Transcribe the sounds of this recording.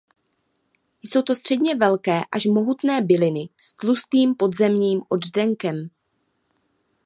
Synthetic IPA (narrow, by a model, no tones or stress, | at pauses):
jso̞wt̪o̞st̪r̥ɛdɲɛvɛlkɛːʔaʃmo̞ɦut̪nɛːbɪlɪnɪst̪lust̪niːmpo̞d̪zɛmɲiːmʔo̞ddɛŋkɛm